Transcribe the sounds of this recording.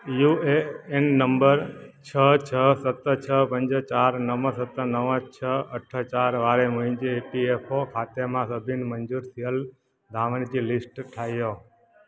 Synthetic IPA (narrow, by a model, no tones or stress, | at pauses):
jueenːəmbəɾt͡ʃʰət͡ʃʰəsət̪ət͡ʃʰəpə̃ɲd͡ʒt͡ʃaɾnəʋə̃sət̪ənəʋə̃t͡ʃʰəəʈʰət͡ʃaɾʋaɾemũĩd͡ʒeepiepʰokʰat̪emãsəbʱinməɲd͡ʒuɾsijəl | d̪ʱaʋənd͡ʒilisʈʈʰaijo